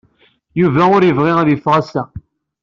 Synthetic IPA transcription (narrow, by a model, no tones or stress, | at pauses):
juvæʊɾjəvʁɪæðjifːʁæsæ